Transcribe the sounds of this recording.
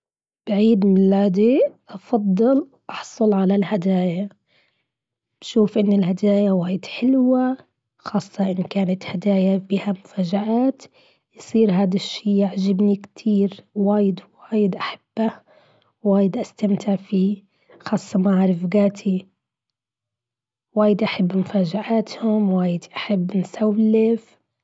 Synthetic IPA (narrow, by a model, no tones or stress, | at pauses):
b̥aʕiːd̪mɪnlaːd̪iʔɑfɑd̪ˤːɨl | ʔɑħsˤʊlʕalalhad̪aːja | b̥ʃuːfʔɪnːɪlhad̪aːjawaːjɪd̪ħɪlwa | xɑːsˤːɑʔɪnːkaːnat̪had̪aːjabiːhamʊfaːd͡ʒaʔaːt̪ | jsˤiːɾɦaːd̪aʃːiːjaʕd͡ʒɪbnikt̪ʰiːɾwaːjɪd̪waːjɪd̪ʔaħḁb̥ːa | waːjɪd̪ʔast̪amt̪ʰɪʕfiː | xɑːsˤːɑmaʕɾˤɪfɡaːt̪ʰi | waːjɪd̪ʔaħabːmʊfaːd͡ʒaʕaːt̪hʊmwaːjɪd̪ʔaħabːnsawlːɪf